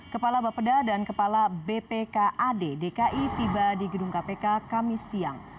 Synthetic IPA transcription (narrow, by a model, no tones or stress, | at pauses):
kəpalabapədadankəpalabepekaʔadedekaʔit̪ibadiɡəduŋkapekakamisia̰ŋ